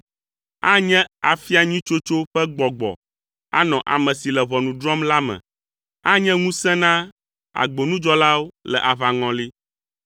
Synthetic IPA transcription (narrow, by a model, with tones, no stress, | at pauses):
a˦ɲɛ̃˦a˨fi˦a˨ɲĩ˦t͡ʃo˦t͡ʃo˦ɸɛ˦ɡ͡bɔ˨ɡ͡bɔ̰˨ | a̰˦nɔ̃˨ʔa̰˨mɛ̃˨si˨lɛ˨βɔ˨nũ˨ɖɾɔ˦mla˦mɛ̰̃˨ | a˦ɲɛ̃˦ŋũ˦sɛ̃˦nã˦ | a̰˨ɡ͡bo˨nũ˦d͡ʒɔ˦la˦wo˦lɛ̰˨ʔa˨βa˨ŋɔ̃˨li˦